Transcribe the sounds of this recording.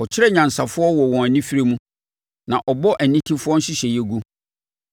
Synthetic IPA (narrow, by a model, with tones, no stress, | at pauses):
ɔ˨t͡ɕʰɪ˦ɾɛ˦ɲã˨n˨sa˨fʊ˦ɔ˦wɔ˨wɔ̃˨æ˨nĩ˦fi˦ɾe˦mũ˦ | nã˨ʔɔ˨bɔ˦ʔæ˨nĩ˦tʰĩ˦fʊ˦ɔ˦ɕɪ˦ɕɛ˨jɛ˦ɡu˦